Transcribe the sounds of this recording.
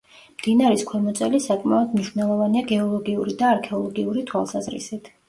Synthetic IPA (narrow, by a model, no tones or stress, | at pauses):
md̪̥inaɾiskʰwɛmɔt̪sʼɛlisakʼmaɔd̪mniʃwnɛlˠɔvaniaɡɛɔlˠɔɡiuɾid̪aːɾkʰɛɔlˠɔɡiuɾit̪ʰwalˠsazɾḭsit̪ʰ